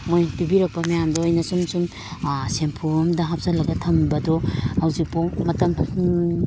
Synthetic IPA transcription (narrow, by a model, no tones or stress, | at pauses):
mojpibiɾɐk̚pɐmɐjamdoːjnɐsumsum | sempʰuɐmdɐɦap̚sɐlɐɡɐtʰɐmbɐdɔhawzik̚pomɐtɐm